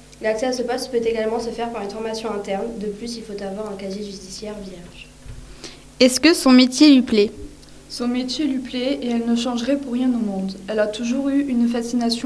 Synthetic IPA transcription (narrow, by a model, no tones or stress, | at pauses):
laksɛasəpɔspøt̪eɡalmɑ̃səfɛʁpaʁynfɔʁmasjɔ̃ɛ̃t̪ɛʁnd̪əplysilfot̪avwaʁɛ̃kazjeʒysd̪isjɛʁvjɛʁʒ | ɛskəsɔ̃met̪jelɥiplɛ | sɔ̃met̪jelɥiplɛeɛlnəʃɑ̃ʒʁɛpuʁːjɛ̃nomɔ̃d̪ɛlat̪uʒuʁyynfasinasjɔ̃